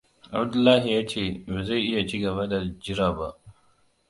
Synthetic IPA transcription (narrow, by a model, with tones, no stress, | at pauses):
ʔa̰˨bd̪ʊ˦lːaː˦ɦi˨jaː˦t͡ʃeː˦˨be˨za˦˨jʔɪ˦ja˨t͡ʃiː˦ɡɐ˨βa˦da˨d͡ʒɪ˦ɾaː˨ba˦ʔ